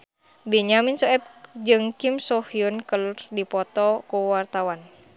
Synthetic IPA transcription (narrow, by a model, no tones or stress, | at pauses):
bɛɲaminsɔɛp̚d͡ʒɨŋkimsɔhiunkəlurdipɔt̪ɔkuwart̪awan